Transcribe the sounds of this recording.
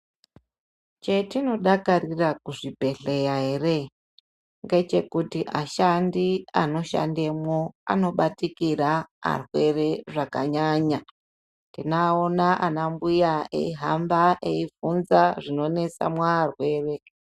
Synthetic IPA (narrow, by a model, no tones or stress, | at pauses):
t͡ʃe̞tino̞ɗakarirakuʐibʱe̞ɬe̞jaɦere | ŋɡe̞t͡ʃe̞kutiʔaʃandiano̞ʃa̰ndemwoa̰no̞ɓatikiraa̰rwe̞re̞ʐakaɲaɲa | ntinaonaʔanambujae̞̰iɦambaʔeivunzaʐino̞ne̞sa̰mwaːrwe̞ːre̞